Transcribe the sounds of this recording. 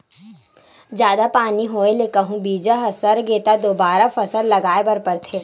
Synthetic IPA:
d͡ʒjaːd̪apaːniɦoːelekəɦũbiːd͡ʒaɦɐsəɾɡeːt̪ad̪oːbaːɾafɐsəllɐɡaːebɐɾpəɾt̪ʰeː

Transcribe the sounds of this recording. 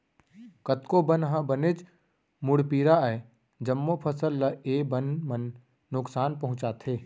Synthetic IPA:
kət̪kobənɦãbənet͡ʃ | mʊɽpiːɾae | d͡ʒəmːopʰəsəlːəeːbənmənː | ʊksaːnpɐɦʊ̃t͡ʃaːt̪ʰeː

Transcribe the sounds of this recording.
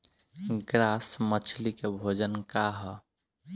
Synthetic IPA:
ɡɾasmət͡ʃʰlikebʱod͡ʒənkaɦɔ

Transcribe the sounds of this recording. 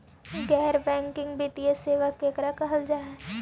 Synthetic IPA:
ɡɛːɾbɛ̃ːŋkɪ̃ŋɡbit̪ieseːʋəkːeːkɾakɐɦəld͡ʒaːɛ

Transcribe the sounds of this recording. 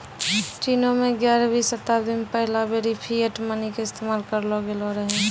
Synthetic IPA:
t͡ʃinomeɡjaɾabʱisət̪abd̪inpəɦlabeɾipʰieʈmənikeɪst̪emaːlkəɾlɔɡelɔɾəɦɛ̃

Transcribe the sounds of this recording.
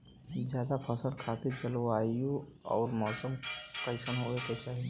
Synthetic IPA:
d͡ʒjaːd̪apʰəsəlkʰaːt̪iɾd͡ʒəlaːiju | ɔ̰ːɾmɔːsəmpɾəɪʃənɦoːeket͡ʃaːɦie

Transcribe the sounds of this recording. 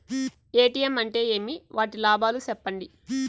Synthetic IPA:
eːʈijɐmɐɳʈe̞ːe̞ːmiʋaːʈilaːbʱaːlusɛpːɐɳɖi

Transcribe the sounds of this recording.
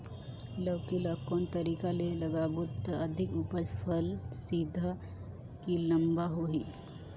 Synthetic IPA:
ləbkilakɔːnt̪ɐɾiːkalelɐɡaːbʊt̪əɐd̪ʱɪkupəd͡ʒpʰəlsiːd̪ʱa | kilɐ̃mbaɦoɦiː

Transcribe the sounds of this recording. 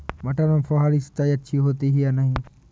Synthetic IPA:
mɐʈaɾẽfɔɦaːɾisɪ̥t̪aːiɐtːʃʰiɦoːt̪iɦijanɐɦĩ

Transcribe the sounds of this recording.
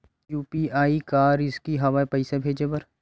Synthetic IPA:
juːpiaːikaːɾɪskiɦɐʋaepɛɪsebʱeːd͡ʒepɐɾ

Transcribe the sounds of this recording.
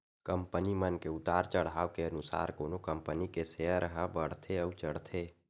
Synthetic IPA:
kəmpənimənkeʊt̪aːɾt͡ʃəɽ̤aːʋkeənʊsa̰ːɾkoːnokəmpənikeseəɾəɦəbəɽ̤t̪ʰeəut͡ʃəɽt̪ʰe

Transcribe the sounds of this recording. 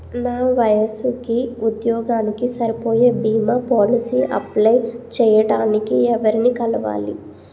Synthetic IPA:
naːʋɐjɐsukiud̪jɔːɡaːnikisɐɾipo̞ːjeːbiːmaːpoːlisiːʔɐ̰plɐjt͡ʃɛːjɐɖaːnikiɛʋɐɾinikɐlɐʋa̰ːlḭ

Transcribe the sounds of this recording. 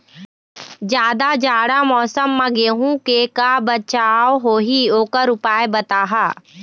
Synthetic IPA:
d͡ʒjaːd̪ad͡ʒaːɽamɔːsəmːɐɡeːɦũkekabɐt͡ʃaːwɦoːɦioːkəɾʊpaːebɐt̪aːɦaː

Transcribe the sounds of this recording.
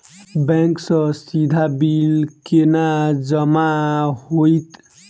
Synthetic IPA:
bɛ̃ŋksʌ̃sid̪ʱabilkenad͡ʒəmahojt̪

